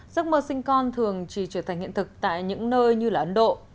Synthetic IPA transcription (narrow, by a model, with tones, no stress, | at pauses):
zə˦˥t̚məː˧sï˧ŋ̟kɔ˧nt̪ʰɨ˨˩əŋt͡ɕi˧˩t͡ɕɨ˧˩t̪ʰa˨˩ŋ̟hḭ˧˨t̪ɨ˨˩k̚t̪a̰ː˧˨jɲɨ̰˧˥ŋnəː˧jɲɨ˧laː˨˩ʔə˧˦nɗo̰˧˨